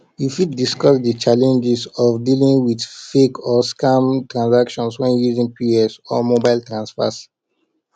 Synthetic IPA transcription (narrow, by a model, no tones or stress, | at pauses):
jifiddiskɔsdət͡ʃalɛ̃nd͡ʒɛsɔfdilĩŋwidfekʰɔskãmtɹãnsakʃɔ̃nswɛ̃njuzĩŋpiɛsɔ̰mobaɪltɹãnsfa̰s